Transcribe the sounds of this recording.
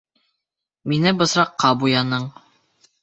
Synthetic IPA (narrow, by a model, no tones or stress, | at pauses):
minɘbɤ̆sɾɑqːɑbujɑnɤɴ